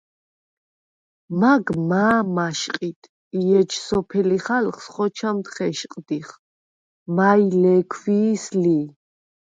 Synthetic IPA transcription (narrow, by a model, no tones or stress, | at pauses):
maɡmaːmaʃqʼit̪ʰ | iɛd͡ʒsɔpʰɛliχalχsχɔt͡ʃʰamt̪χɛʃqʼd̪iχ | mailɛkʰviːsli